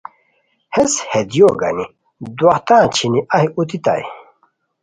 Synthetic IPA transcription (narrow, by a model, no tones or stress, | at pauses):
heshed̪joːɡa̰ni | d̪wɐht̪ãːt͡ɕʰiniʔahiut̪it̪a̰j